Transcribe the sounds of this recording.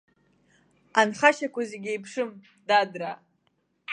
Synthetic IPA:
anχaʃakʷazeɡʲejpʰʂɨm | dadra

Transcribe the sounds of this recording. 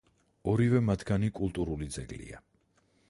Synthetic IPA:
ɔɾivɛmat̪ʰɡanikʼulˠt̪ʼuɾulid̪zɛɡlḭa̰

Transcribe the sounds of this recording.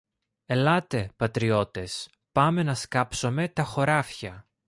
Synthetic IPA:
e̞lɐt̪e̞pɐt̪ɾio̞t̪e̞s | pɐme̞nɐskɐpso̞me̞t̪ɐxo̞ɾɐfçɐ

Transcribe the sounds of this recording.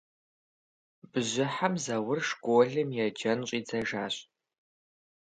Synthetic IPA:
bɨʑʷɪħamzɐwʊrʂɡʷʊɮɨmjɛd͡ʒɐnɕʷʼiːd͡zɐʒaːɕʼ

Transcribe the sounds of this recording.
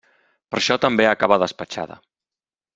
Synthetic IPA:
pəɾʃɔt̪əmbeakaβəðəspət͡ʃa̰ðə̰

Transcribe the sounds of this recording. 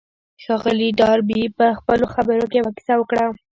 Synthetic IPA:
xɑɣəliɖɑɾbipəxpəloxabəɾokewaki̥sawəkɽa

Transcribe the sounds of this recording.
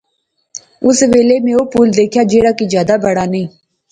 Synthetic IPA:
ʊsʋeːlemẽːoːpuːld̪eːkʰjaːd͡ʒeːɽaːkid͡ʒjaːd̪abəɽaːnəĩː

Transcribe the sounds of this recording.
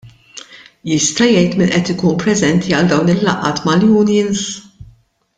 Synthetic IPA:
jɪst̪ɐjɛjt̪mɪnʔɛt̪ɪkuːnpɾɛzɛnt̪ʰiɐld̪ɐwnɪlːɐ̰ʔɐ̰ːt̪mɐljuːnjɪns

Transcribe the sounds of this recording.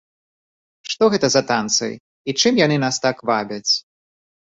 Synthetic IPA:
ʂt̪ɔɣɛt̪ɐzɐt̪ant̪sɐ̰j | it͡ʂɨmjanɨnast̪akvabʲɐt͡sʲ

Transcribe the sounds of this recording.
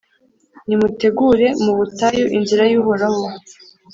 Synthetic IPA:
nimute̞ɡuɾe̞muβutajoʔinziɾajuːɦoɾaho

